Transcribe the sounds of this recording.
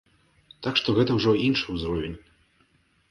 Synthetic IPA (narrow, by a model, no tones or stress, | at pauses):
t̪akʂt̪ɔɣɛt̪ɐwʐɔinʂɨwzɾɔvʲenʲ